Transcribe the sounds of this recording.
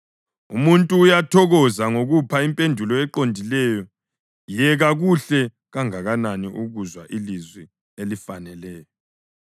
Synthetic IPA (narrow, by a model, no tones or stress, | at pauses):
ṵmuntʼuːjatʰɔɣɔzaŋoɣupʰaimpʼendʱulɔɛǃondʱilɛjɔ | jɛɣaɣuɬɛ | ɣaŋaɣananiʔuɣuzwa̰ʔilizwi | elifanɛlɛːjɔ